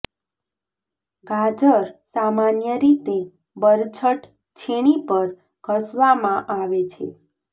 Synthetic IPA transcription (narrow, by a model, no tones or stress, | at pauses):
ɡʱad͡ʒəɾsamanjəɾit̪e | bəɾt͡ʃʰəʈ | t͡ʃʰeɽ̃ipəɾ | kəsʋamãʔaʋet͡ʃʰḛ